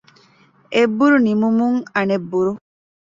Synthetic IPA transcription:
ebːuɾunimumuŋɐnebːuɾu

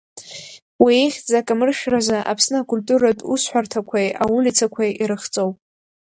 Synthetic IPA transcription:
wieχʲd͡zakʼamɨrʃᶣrazaʔa̰pʰsnɨkʼʊlʲtʼuɾatʼusħʷᶣartʰakʷʰajʔawulʲit͡sʰakʷʰajiɾɨχt͡sʼowpʼ

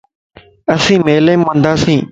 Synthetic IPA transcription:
əsĩːmeːlẽːmmə̃nd̪aːsĩː

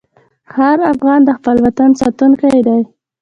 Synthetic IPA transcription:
haɾafɣɑnd̪əxpəlwat̪ansɑt̪uŋkajd̪aj

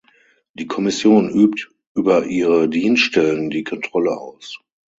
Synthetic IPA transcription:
d̥iːkʰɔmɪsjoːnʔyːpt | ʔyːbɐʔiːʁədiːnsʃtɛləndiːkʰɔntʁ̥ɔləʔa̰ʊs

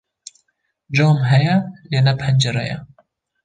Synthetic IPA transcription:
d͡ʒɑːmɦɛjɛleːnɛpʰɛnd͡ʒeɾɛ̰jɛ̰

